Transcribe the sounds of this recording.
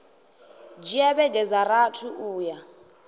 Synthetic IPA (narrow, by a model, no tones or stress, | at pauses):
d͡ʒiɛβɛɡɛd͡zaratʰuʔuːja